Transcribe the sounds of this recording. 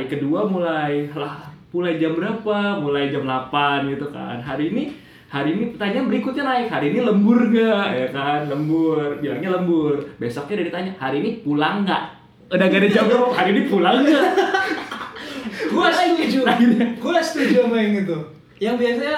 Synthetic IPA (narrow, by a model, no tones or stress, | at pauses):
ikəduamulajlahpulajd͡ʒambəɾapamulajd͡ʒamlapanɡit̪uka̰nɦaɾiːni | haɾiːnipət̪aɲabəɾikʊt̪̚ɲanaɪkhɦaɾiːniləmbʊrŋaʔjakanləmbʊrbiarɲaləmbʊrbesɔk̚ɲadaɾit̪aɲahaɾiːnipulaŋɡaʔ | udaɡadad͡ʒamaɔkhaɾiːnipulaŋɡa | kulasud͡ʒuainkulast̪ud͡ʒiomaɪŋɡit̪̬u | jaŋbiasaa